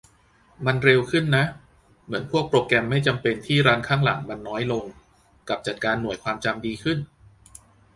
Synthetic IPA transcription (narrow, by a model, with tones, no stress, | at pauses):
ma˧nɾe˧wkʰɯ˥˩nːa˦˥ʔ | mɯ˩˦ənpʰu˥˩ək̚pɾoː˧kɛː˧mːa˥˩jt͡ɕa˧mpe˧nt̪ʰiː˥˩ɾaː˦˥nkʰaː˥˩ŋla̰˩˦ŋma˧nːɔː˦˥jlo˧ŋ | ka˨˩p̚t͡ɕa˨˩t̪̚kaː˧nːu˨˩əjkʰwaː˧mt͡ɕa˧mdiː˧kʰɯ˥˩n